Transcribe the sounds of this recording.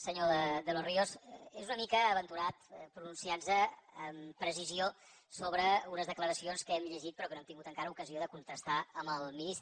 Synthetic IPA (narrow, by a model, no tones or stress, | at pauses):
səɲoðəðəloriozezunəmikəːβənt̪uɾat̪pɾununsianzəːmpɾəzizio | soβɾəunəzðəkləɾəsionskɛmʎəʒit̪̚pəɾɔkənoɛmt̪iŋɡut̪əŋkaɾəukəzioðəkunt̪ɾəst̪aəmbəlˠminist̪